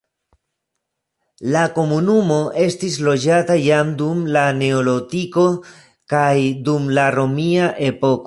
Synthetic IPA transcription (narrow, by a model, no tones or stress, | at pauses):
lako̞munumo̞ʔe̞stis̬lo̞d͡ʒatajamdumlane̞olo̞tiko̞ | kajdumlaɾo̞miaʔe̞po̞k